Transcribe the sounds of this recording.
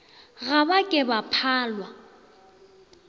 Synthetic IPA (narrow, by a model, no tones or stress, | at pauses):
ɣabakʼɛbapʰaːlwa